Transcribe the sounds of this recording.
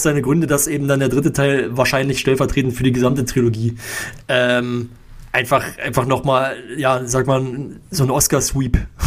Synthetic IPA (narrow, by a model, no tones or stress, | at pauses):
z̥aɪnəɡʁʏndədasʔeːbm̩dandeːɐdʁɪtətʰaɪlvaːɐʃaɪnlɪçʃtɛlfɛɐtʁ̥eːtn̩fyːɐdiːɡəzamtətʁ̥ioloɡiːʔɛːm | ʔaɪnfaχʔaɪnfaχnɔχmaːljaːzaːkmanzoːnʔɔskaɐsv̥iːp